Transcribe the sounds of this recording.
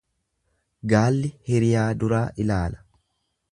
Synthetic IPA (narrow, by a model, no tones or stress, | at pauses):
ɡaːlːɪhɛɾɪjaːd̪ʊɾaːʔɪlaːlɐ̥